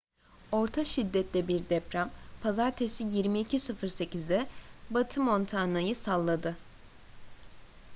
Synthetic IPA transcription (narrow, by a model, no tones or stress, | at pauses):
o̞ɾt̪ʰaʃid̪ːɛt̪lʲɛbiɾd̪ɛpɾampʰazaɾt̪ʰesijiɾmiːcʰisɯfɯɾse̞cizd̪ɛbat̪ʰɯmo̞nt̪ʰanajɯsalˠːad̪ɯ